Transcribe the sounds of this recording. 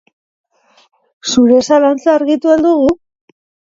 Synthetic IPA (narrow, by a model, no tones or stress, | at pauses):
suɾe̞salant͡saːɾɣit̪uend̪uɣu